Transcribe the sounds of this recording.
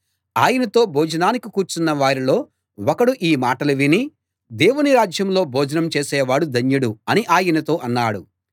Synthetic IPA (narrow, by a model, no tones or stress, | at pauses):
aːjɐnɐt̪o̞ːbʱoːd͡ʒɐnaːnikikuːɾt͡ʃunːɐʋaːɾilo̞ː | wɔkɐɽuʔiːmaːʈɐluʋini | d̪eːwuniɾaːd͡ʒjɐmlo̞ːbʱoːd͡ʒɐnɐmt͡ʃeːsɛːʋaːɽud̪ʱɐɲjuɽuɐniʔaːjɐnɐt̪o̞ːʔɐnːaːɽu